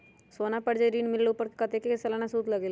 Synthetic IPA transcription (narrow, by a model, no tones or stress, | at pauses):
soːnapɐɽd͡ʒaɾiːnmɪlluːpəɾkkɐt̪ekekesɐlanasuːd̪lɐɡeːl